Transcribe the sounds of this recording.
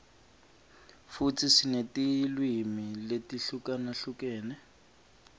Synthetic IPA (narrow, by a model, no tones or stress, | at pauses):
fut͡sʰisinetilwimiletiɬukanaɬukɛːnɛ